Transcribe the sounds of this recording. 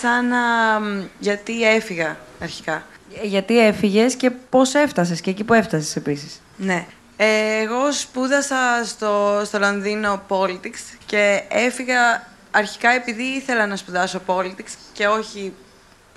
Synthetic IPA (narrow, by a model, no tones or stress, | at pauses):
sɐnɐ | ʝɐt̪ie̞fiɣɐːɾçi̥kɐʝɐt̪ie̞fiʝe̞sce̞po̞se̞ft̪ɐs̬esceːcipue̞ft̪ɐse̥se̞pisis | ne̞ | eːɣo̞spuðɐsɐst̪o̞st̪o̞lonðino̞po̞lit̪iksce̞efiɣɐ | ɐɾçi̥kɐe̞piðiiθe̞lɐnɐspuðɐsopo̞lit̪iksce̞o̞çi